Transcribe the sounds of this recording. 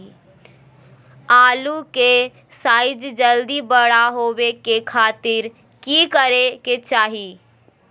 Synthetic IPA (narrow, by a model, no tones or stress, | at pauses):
aːluke | saːɪd͡ʒd͡ʒəld̪ibəɽaɦoːwekekʰaːt̪ɪɾ | kikəɾeket͡ʃaːɦi